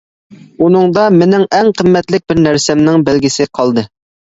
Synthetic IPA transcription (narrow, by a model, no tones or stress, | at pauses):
unɨŋd̪ɑmɪnɪŋɛŋqʰəmːɛt̪lɪk̚ʲbɪɾnæɾsɛmnɪŋbælɡʲɪsɪqʰɑlˠd̪ɨ